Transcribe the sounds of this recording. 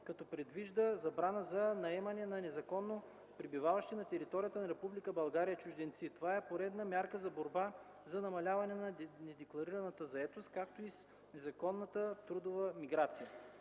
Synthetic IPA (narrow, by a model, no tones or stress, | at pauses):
kɐt̪ɔpɾɛd̪viʒd̪əzɐbɾanəzɐnɐɛmɐnɛnɐnɛzɐkɔnːo | pɾibivavɐʃt̪inɐt̪ɛɾit̪ɔɾijət̪ənɐɾɛpublikəbɐlˠɡaɾijət͡ʃʊʒd̪ɛnt̪sit̪ovaɛpoɾɛd̪nəmʲjaɾkəzɐboɾba | zɐnɐmɐlʲavɐnɛnɐnɛd̪ɛklˠɐɾiɾɐnət̪əzɐɛt̪ost̪̚kak̚t̪ois | nɛzɐkɔnːət̪ət̪ɾud̪ovəmiɡɾat̪sijə